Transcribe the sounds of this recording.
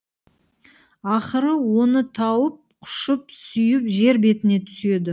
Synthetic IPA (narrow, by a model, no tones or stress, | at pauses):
ɑχəɾəwo̞nət̪ʰɑwəp̚qʰʊ̥ʃəp̚sʏjɪpʒe̞ɾbe̞t̪ɪne̞t̪ʰʏ̥se̞d̪ɪ